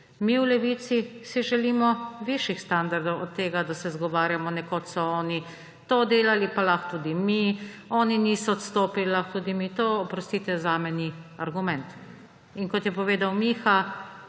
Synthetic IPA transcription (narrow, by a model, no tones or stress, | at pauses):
miwlɛʋit̪sisiʒɛliːmɔʋiʃjixst̪and̪aɾd̪ɔwʔɔt̪ːeːɡad̪asɛzɡɔʋaːɾjamɔnɛkot̪sɔɔːni | t̪oːd̪eːlalipalaxt̪uːd̪imi | ɔːninisɔt̪st̪oːpillaxt̪ud̪imit̪oɔpɾɔst̪iːt̪ɛzaːmɛniaɾɡumɛnt̪ | inkɔt̪jɛpɔʋeːd̪awmiːxa